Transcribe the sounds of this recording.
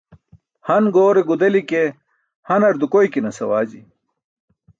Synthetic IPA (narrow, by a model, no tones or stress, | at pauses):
hɐnɡoːɾeɡud̪ɐlike | hɐnɐɾd̪ukojkinɐsɐwaːd͡ʑḭ